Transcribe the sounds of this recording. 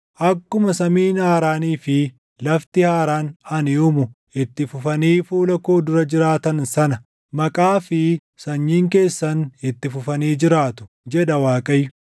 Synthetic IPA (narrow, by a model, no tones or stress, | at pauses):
ʔɐkːʊmɐsɐmiːnhaːɾaːniːfɪ | lɐft̪ɪhaːɾaːnɐnɪʊmʊ | ɪt̪ːɪfʊfɐniːfuːlɐkoːd̪ʊɾɐd͡ʒɪɾaːt̪ɐnsɐnɐ | mɐkʼaːfɪ | sɐɲːiːŋke̞ːsːɐnɪt̪ːɪfʊfɐniːd͡ʒɪɾaːt̪ʊ̥ | d͡ʒɛd̪ɐwaːkʼɐjːʊ